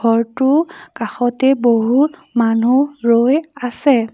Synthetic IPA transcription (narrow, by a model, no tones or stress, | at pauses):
ɔɹtʊkaxɔtɛboɦutmanuɹojasɛ